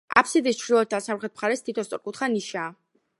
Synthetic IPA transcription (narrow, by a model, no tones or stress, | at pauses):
a̰pʰsid̪ist͡ʃʰɾilˠɔt̪̚d̪asamɾχɛt̪̚mχaɾɛst̪ʰit̪ʰɔst̪sʼɔɾkʼut̪χaniʃaː